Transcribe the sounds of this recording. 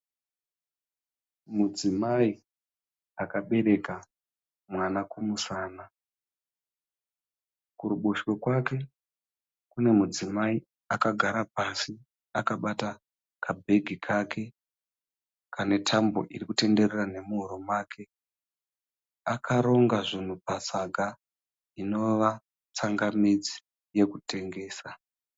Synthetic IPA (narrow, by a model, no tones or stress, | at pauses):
mud͡zimai | akaɓe̞ɾe̞ka | mwanakumusaːna | kuɾuɓuʃwokwake̞ | kune̞mud͡zimai | akaɡʱaɾapasi | akaɓata | kʰabʱe̞ɡʱikʰakʰe̞ | kane̞tʰambo̞̰ʔirikute̞nde̞rerane̞muɦuɾomaːkʰe̞ | akʰaɾo̞ŋɡaʐin̤upasaɡʱa | ino̞ʋa | t͡saŋɡamid͡zi̥ | je̞kute̞ŋɡe̞ːsa